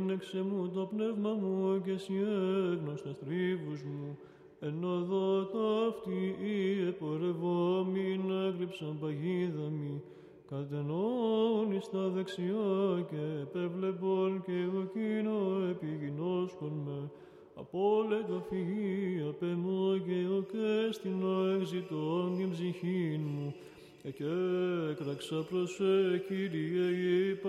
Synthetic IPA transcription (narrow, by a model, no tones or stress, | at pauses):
neksemut̪o̞pnevmɐmuce̞sieɣnost̪ɐsθɾivuzmu | e̞no̞ðoɐt̪oft̪iiepoɾevomineɡɾipsɐnpɐʝiðɐmi | kɐt̪̬enonist̪ɐðeksiocepevleponceɣocinoepiʝinoskonme | ɐ̰polet̪ofiʝiɐpemoceɣocest̪inoekzit̪ond̪imbziçinmu | ecekɾɐksɐpɾoseciɾieep